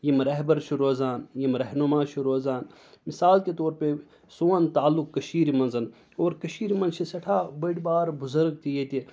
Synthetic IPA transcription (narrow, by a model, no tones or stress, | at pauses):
jimɾɐɦbɐɾt͡ʃʰiɾoːzaːnjimɾɐɦnumaːt͡ʃʰiɾoːzaːn | misaːlket̪oːɾpe | soːnt̪aːlːukːɐʃiːɾimɐnzɐn | oːɾkɐʃiːɾimɐnt͡ʃʰisɐʈʰaːbɐɽbaːɾbʊzɐɾɡ̚t̪ijet̪ʲi